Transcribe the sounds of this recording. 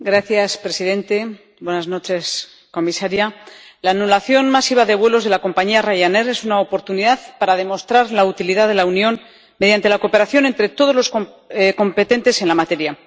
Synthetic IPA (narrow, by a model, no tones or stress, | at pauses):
ɡɾaθjaspɾe̞siðe̞nt̪e̞ | bwe̞nazno̞t͡ʃe̞s | ko̞misaɾja | laːnulaθjo̞nmasiβaðeβwe̞lo̞zðe̞lako̞mpaɲiarajane̞ɾe̞sunaopo̞ɾt̪uniðaðpaɾaðe̞mo̞st̪ɾaɾlaut̪iliðaðe̞launjo̞n | me̞ðjant̪e̞lako̞pe̞ɾaθjo̞ne̞nt̪ɾe̞t̪o̞ð̞olo̞sko | ko̞mpe̞t̪e̞nt̪e̞se̞nlamat̪e̞ɾja